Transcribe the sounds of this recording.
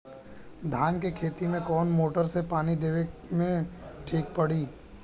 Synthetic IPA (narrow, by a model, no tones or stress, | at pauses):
d̪ʱaːnkekʰeːt̪imẽkɔːnmoːʈəɾsepaːnid̪eːʋekmẽʈʰiːk̚pəɽ̤iː